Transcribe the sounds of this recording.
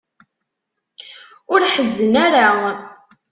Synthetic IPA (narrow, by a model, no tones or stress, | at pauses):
ʊɾħəzːənaɾa